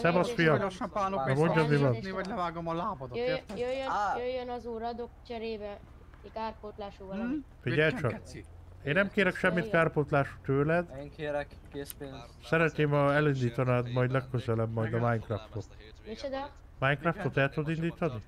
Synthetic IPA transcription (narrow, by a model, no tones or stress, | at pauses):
sɛmɒʃfijɒmoʃɔpaːoɛmoɲɟɒmivɒniɒlɛvaːɡomɒlaːbod̪øjt̪jøjøjøjːønɒzuːɾɒd̪okt͡ʃɛɾeːbɛ | ikaːrpot̪laːʃu | fiɟɛlt͡ʃɒ | eːnːɛmkeːɾɛkʃɛmːit̪kaːrpot̪laːʃu̥t̪øːlɛd̪eŋkeːɾɛk | keːse | sɛɾɛt̪neːmɒɛlind̪iːt̪ɒnad̪mɒjd̪lɛkːøzɛlɛbmɒjd̪ɒmajnkraft̪ot̪ | mit͡ʃɛd̪ɛ | maːjnkraft̪ot̪ɛlt̪ud̪ind̪iːt̪ɒni